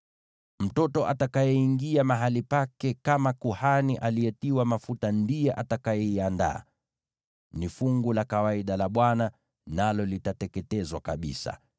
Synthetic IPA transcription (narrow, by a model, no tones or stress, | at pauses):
m̩tɔtɔʔatakajɛiŋɡiamaɦalipakɛkamakuhaniʔalijɛtiwamafutandijɛʔatakajɛianda̰ː | nifuŋɡulakawaiɗalaɓwana | nalɔlitatɛkɛtɛzwakaɓḭsa̰